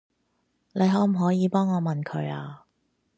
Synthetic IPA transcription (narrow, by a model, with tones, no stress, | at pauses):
le˨˧jɦɔː˨˥m̩˨˩ɦɔː˨˥jiː˨˧pɔː˥ŋɔː˨˧mɐ˨nkʰɵ˨˥ɥaː˧